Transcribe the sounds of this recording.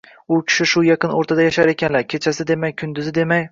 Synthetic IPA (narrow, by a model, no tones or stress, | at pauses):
ʊkʲʰɪ̥ʃɪʃʊjɑqʰɨnoɾt̪ʰad̪ajaʃaɾe̞kʲʰanlaɾkʲʰe̞t͡ʃʰasɪd̪e̞majkʰʊnd̪ɪzɪd̪e̞maj